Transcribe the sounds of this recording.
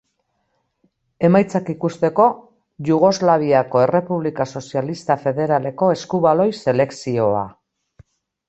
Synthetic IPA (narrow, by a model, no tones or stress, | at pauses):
e̞majt͡sakikust̪e̞ko̞ | ʝuɣ̞o̞zlaβ̞iako̞e̞re̞puβlikaso̞sialist̪afe̞ðe̞ɾale̞ko̞e̞skuβalo̞jse̞le̞ksio̞a̰